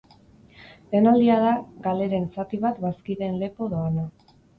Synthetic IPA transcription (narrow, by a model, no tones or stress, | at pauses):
le̞nald̪iað̞aɡale̞ɾe̞nsat̪iβ̞at̪βaskiðe̞nle̞po̞ðoana